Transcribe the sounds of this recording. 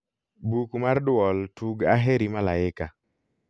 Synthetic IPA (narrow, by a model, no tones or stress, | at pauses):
bukmardwɔltʰuɡaɦeɾimalaɪka